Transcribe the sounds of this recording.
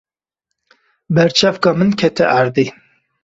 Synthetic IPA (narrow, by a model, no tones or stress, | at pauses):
bɛɾt͡ʃʰævkɑːmɨnkʲʰɛt̪ʰɛʔæɾd̪iː